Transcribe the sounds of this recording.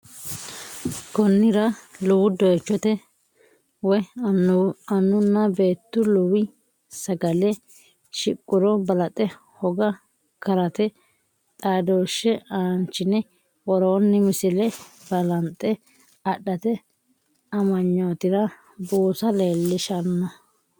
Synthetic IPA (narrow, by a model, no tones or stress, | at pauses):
kɔnːɪɾɐlʊwʊd̪ɔt͡ʃːɔt̪ɛ | wɔj | ɐnːʊnːɐbe̞ːt̪ːʊlʊwɪ | sɐɡɐlɛ | ʃɪkʼːʊɾɔbɐlɐt̪ʼɛ | hɔɡɐ | kɐɾɐt̪ɛ | t̪ʼaːd̪oːʃːɛʔaːnt͡ʃːɪnɛ | wɔɾoːnːɪmɪsɪlɛ | bɐlɐnt̪ʼːɛ | ɐɗːɐt̪ɛ | ɐmɐɲːoːt̪ɪɾɐ | buːsɐle̞ːlːɪʃɐɾnɐ